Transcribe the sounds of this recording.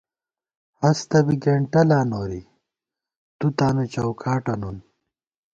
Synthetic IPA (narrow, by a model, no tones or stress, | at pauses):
hɐst̪ɐbiɡeɳʈɐlaːnoːɾi | t̪ut̪aːnut͡ɕɐwkʰaːʈɐnun